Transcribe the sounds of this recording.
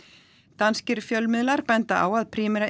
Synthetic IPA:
t̪anscɪɾ̥fjœlmɪðlaɾpɛnt̪aʔa̰waðpʰɾiːmɛɾa

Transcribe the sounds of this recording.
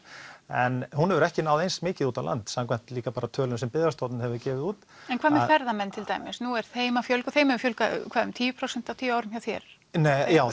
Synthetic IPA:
ɛnhunhɛvʏɾɛhcɪnaːwðejnsmɪːcɪðuːt̪avlʔa̰nt̪samkvajn̥t̪liːkapaːɾat̪ʰœːlʏmsɛmpɪðɾast̪owt̪nɪhɛvʏɾcɛːvɪðuːt̪ɛnkʰaːðmɛɾfɛɾðamɛnːt̪ʰɪlt̪a̰jmɪsnuɛɾ̥θeːjmafjœlkʏθeːjmɛʏfjœlka̰kʰvaːðʏmt̪ʰiːvʏpʰɾowsɛnt̪awt̪ʰiːvʏaːwɾʏmhjawθjɛ̰ɾ̥ | njaːw

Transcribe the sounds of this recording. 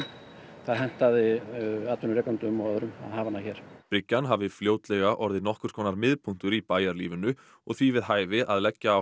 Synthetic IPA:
θaðɦɛn̥t̪aðɪaːt̪vʏnʏɾɛːkaunt̪ʏʏmːɔːðʏɾʏma̰ðɦaːvanːaçɛːɾ̥pɾɪcːanɦavɪfljoːwt̪lɛɣaʔɔɾðɪnɔhkʏɾ̥skʰɔːnaɾmɪðpʰuŋ̥t̪ʏɾipaːjaɾlḭːvʏnʏ | ɔɣθvivɪðɦaːjvɪaðlɛcːaː

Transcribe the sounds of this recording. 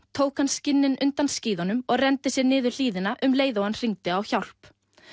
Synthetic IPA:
t̪ʰoːwkhanscɪnːɪnʏnt̪ansciːðɔnʏmɔɣrɛnt̪ɪsjɛɾnɪːðʏɾl̥iːðɪnaʔʏmleːjðowanr̥iŋt̪ɪawçawl̥p

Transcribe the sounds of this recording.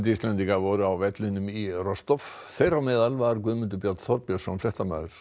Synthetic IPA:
nt̪ɪist̪lɛnt̪iŋkavɔɾʏawvɛt̪lɪnʏmirɔst̪ɔf | θejɾawmɛːðalvaɾkvʏːmʏnt̪ʏpjat̪θɔɾpjɔsɔnflɛht̪ama̰ːðʏɾ̥

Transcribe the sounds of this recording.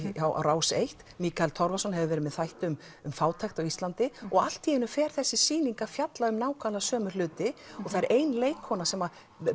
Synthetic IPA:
jawʔa̰wɾaːwsejht̪miːkalt̪ʰɔɾvasɔnhɛvʏvɛːɾɪmɛðθajht̪ʏm | ʏmfaːwt̪ʰajxt̪awist̪lant̪ɪɔɣal̥t̪ʰːiːjɪnʏfɛːɾ̥θɛsːɪsiːniŋkafjat̪laʏmnaːwkʰalasœːmʏ̥lʏːt̪ɪɔɣθaɾʔeːjnleːjkhɔnːasɛma

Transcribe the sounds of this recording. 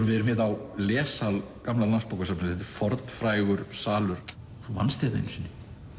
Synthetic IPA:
vɪɛɾmɪðawlɛːsalkamlalanspowkasamnθɛt̪ɪ̥ɾ̥fɔɾt̪nfɾaːjɣʏɾ̥saːlʏɾ̥ | θuva̰nst̪ɛðḛnsʏnːɪ̥

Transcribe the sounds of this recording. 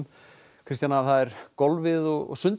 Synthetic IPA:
m | kʰɾɪst̪janaavθaðɛɾ̥kɔlvɪðɔɣɔ̰ɣsʏnt̪

